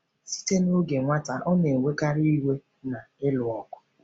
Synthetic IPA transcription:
si̥˦te˦no˦ɡe˨ŋʷa˦ta˨ʔɔ˦ne˨e˨we˦ka˦ɾi˦i˦we˦ | na˨ɪ˦lʊ˨ɔ˨kʊ̥˨˦

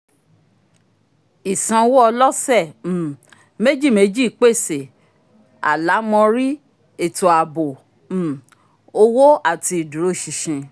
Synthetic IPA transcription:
i˨sã˧wo˦ɔ˧lɔ˦sɛ˦˨ | me˦d͡ʒi˦˨me˨˧˦d͡ʒi˦˨k͡pe˦˨se˨ | a̰˨la˨˦mɔ̃˧ɾi˦ | e˦˨to˨a˨bo˨˦˨ | o˧wo˦a˦˨ti˧i˨du˨ɾo˦˨ʃi˧˨ʃẽ˧

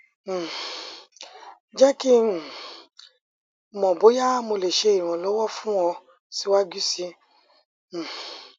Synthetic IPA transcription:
d͡ʒɛ˦ki˦˨ | mɔ̃˨bo˨˦ja˦mo˧le˨ʃe˧˦i˦˨w̃ɔ̃˨lɔ˨˦wɔ˦fũ˦wɔ˧ | si˧˦wa˦ɡu˦si˧˦˨

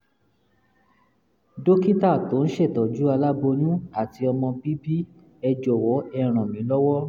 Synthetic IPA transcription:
do˦ki˦ta˦˨to˨˦n̩˦ʃe˦˨tɔ˨d͡ʒu˨˦a˧la˦bo˧nũ˦a˦˨ti˧ɔ˧mɔ̃˧bi˦bi˦ | ɛ˧d͡ʒɔ˨wɔ˨˦ɛ˧˨ɾ̃ɔ̃˨mĩ˨˦lɔ˦wɔ˦

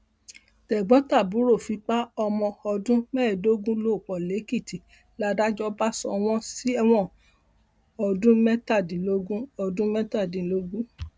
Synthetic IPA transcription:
tɛ˨ɡ͡bɔ̃˨˦ta˦˨bu˨˦ɾo˦˨fi˨˧˦k͡pa˦ɔ˧mɔ̃˧ɔ˧dũ˦mɛ˦˨do˦ɡũ˦lo˦˨k͡pɔ˨le˨˦ki˦˨ti˨ | la˧da˦d͡ʒɔ˦ba˦sɔ̰̃˧w̃ɔ̃˦si˦ɛ˧w̃ɔ̃˦˨ | ɔ˧dũ˦mɛ˦ta˦˨dĩ˨lo˦ɡũ˦ɔ˧dũ˦mɛ˦ta˦˨dĩ˨lo˦ɡũ˦

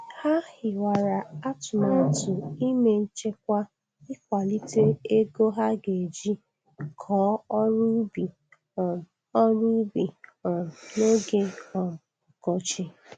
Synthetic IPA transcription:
ha˦hɪ˨wa˨ɾa˨a˦tʊ˨ma˦n̩˦tʊ˨i˦me˦n̩˦t͡ʃe˦k̚ʷa˦ | ɪ˦k̚ʷa˨li˦te˦e˦ɡo˦ɦa˦ɡe˨d͡ʒi˦ | kʰɔ˨˦ɾu˦bi˨ | ɔ˦ɾu˦bi˨ | no˦ɡe˦ɔ˨m˨ | ɔ˨kɔ˦t͡ʃɪ˦

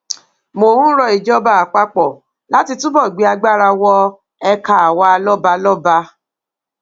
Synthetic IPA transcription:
mo˨ɾũ˦ɾɔ˧i˨d͡ʒɔ˦ba˨a˨k͡pa˧k͡pɔ˨ | la˦ti˧tũ˦bɔ˦˨ɡ͡bi˨˦a˧ɡ͡ba˦ɾa˧wɔ˦ | ɛ˧ka˨a˨wa˧a˧lɔ˦ba˧lɔ˦ba˧

